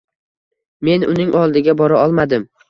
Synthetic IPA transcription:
me̞nʊnɪŋʔɒlˠd̪ɪɡʲabɒɾaɒlˠmad̪ɪm

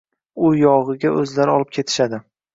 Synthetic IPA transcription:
ʊjɒʁɨɡʲaʔɵzlaɾɪɒlˠɪp̚kʲʰe̞t̪ʰɪ̥ʃad̪ɪ

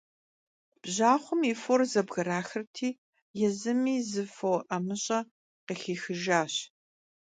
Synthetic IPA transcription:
b̥ʑaːχʷʊmiːforzɐbɣɐɾaːxɐrtʰiː | jɛzɨmiːzɨfowʔɐmɨɕʼɐ | qeːxiːxɨʒaːɕ

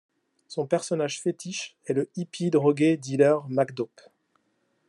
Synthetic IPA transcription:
sɔ̃pɛʁsɔnaʒfet̪iʃ | ɛləipʰid̪ʁɔɡed̪ilœʁmakd̪ɔp

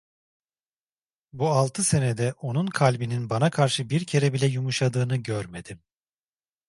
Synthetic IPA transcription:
bualˠt̪ʰɯse̞ned̪ɛʔo̞nunkʰalʲbininbanakʰaɾʃɯbiɾcʰe̞ɾɛbilʲɛjumuʃad̪ɯːnɯɟøɾme̞d̪̥im

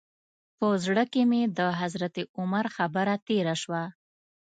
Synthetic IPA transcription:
pəzɽəkemed̪əɦazɾat̪eʊmaɾxabəɾat̪eɾaʃwa

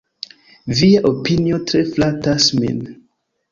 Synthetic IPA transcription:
viaʔopiniotɾeflatasmḛm

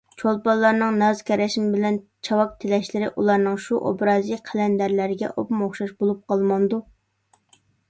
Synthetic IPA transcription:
t͡ʃʰolˠpɑlˠːɑɾnɨŋnɑzkʲʰɛɾɛʃimɪbɪlɛnt͡ʃʰɑwɑk̚t̪ʰɪlɛʃlɪɾɪʔulˠɑɾnɨŋʃuʔo̰bɾɑːziqʰælɛnd̪æɾlɪɾɪɡʲɛ̰ʔopmoχʃɑʃbolˠup̚qɑlˠmɑnd̪u

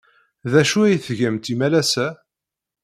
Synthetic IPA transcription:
ðæʃuæjθʝæmt̪imælæsæ

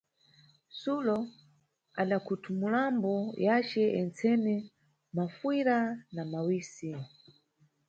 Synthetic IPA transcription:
sulɔ | aɗakʰutʰumulambɔjat͡ʃɛʔɛnt͡sɛnɛ | mafwiɾanamawiːsi

